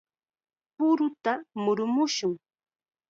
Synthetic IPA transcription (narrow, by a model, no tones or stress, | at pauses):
pʊɾʊt̪amʊɾʊmʊʃʊŋ